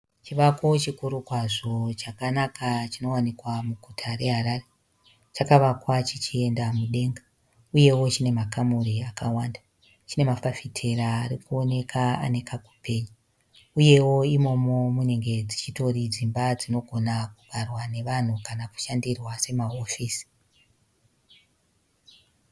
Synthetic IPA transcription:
t͡ʃiʋakot͡ʃikuɾukwaʐo̞t͡ʃakanakʰat͡ʃino̞wanikwamuɡʱutʰaɾe̞ɦaɾare | t͡ʃakaʋakwat͡ʃit͡ʃie̞ndamuɗe̞ːŋɡa | uje̞wo̞t͡ʃine̞makamuɾiakawaːndḁ | t͡ʃine̞mafafitʰe̞ɾaːɾikuo̞ne̞kʰaa̰ne̞kʰaku̥pʰe̞ːɲu | uje̞wo̞imo̞mo̞mune̞ŋɡe̞d͡zit͡ʃito̞ɾid͡zimbad͡zino̞ɡʱo̞nakuɡʱarwane̞ʋan̤ukanaku̥ʃandirwase̞maofiːsi̥

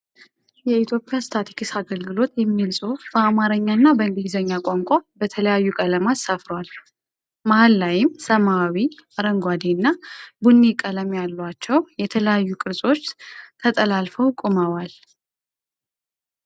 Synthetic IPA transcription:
jɛit̪ʰjo̞pʼɪjast̪ʰat̪ʰi̥kʰisaɡəlɡɨlo̞t̪jɛmːilsʼobəamaɾəɲːanːabəɨnd̪izəɲːakʼoŋkʷʼabət̪ʰələjajːukʼələmat̪safɾwal | mahalːajɪmsəmawiaɾəŋɡʷad̪inːabunːikʼələmjalːat͡ʃːɛwjɛt̪ʰələjajːukʼɨɾsʼo̞t͡ʃːt̪ʰət̪ʼəlalfəwkʼuməwal

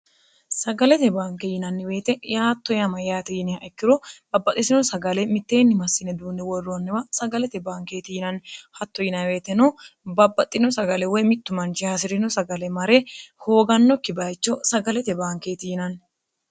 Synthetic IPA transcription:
sɐɡɐlɛt̪ɛbaːŋkɛjɪnɐnːɪwe̞ːt̪ɛjaːt̪ːɔjɐmɐjaːt̪ɛjɪnɪɐʔɛkːɪɾɔb̥ɐbːɐt̪ʼːɪsɪnɔsɐɡɐlɛmɪt̪ːe̞ːnːɪmɐsːɪnɛd̪uːnːɛwɔrːonːɪwɐsɐɡɐlɛt̪ɛbaːŋke̞ːt̪ɪjɪnɐnːɪhɐt̪ːɔjɪnɐnweːt̪ːɛnobɐbːɐt̪ʼːɪnɔsɐɡɐlɛwɔjmɪt̪ːʊmɐnt͡ʃɪhɐs̬ɪɾɪnɔsɐɡɐlɛmɐɾeho̞ːɡɐnːɔkːɪbɐjt͡ʃːɔsɐɡɐlɛt̪ɛbaːŋkeːt̪ɪjɪnɐnː

